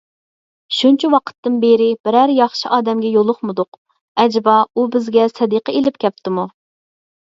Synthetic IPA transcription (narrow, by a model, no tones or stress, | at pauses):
ʃunt͡ʃʰiwɑqʰə̥t̪ːɨnbeɾɪbɪɾæɾjɑχʃiʔɑːd̪ɛmɡʲɛjolˠʊχmɨd̪ʊq | ɛd͡ʒbɑubɪzɡʲɛsɛd̪iqəelɪpkʲʰɛp̚t̪ʰɪmu